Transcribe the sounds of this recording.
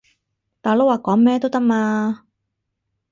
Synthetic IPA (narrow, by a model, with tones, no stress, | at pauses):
t̪aː˨˩jlo˥waː˨˩kɔː˨˥ŋmɛː˥t̪o˥wt̪ɐ˥k̚maː˧